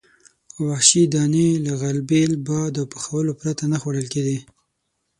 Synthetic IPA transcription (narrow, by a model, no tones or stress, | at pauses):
wahʃid̪ɑnelaɣalbelbɑd̪əpə̥xawəlopɾat̪anaxwaɽəlkeɡi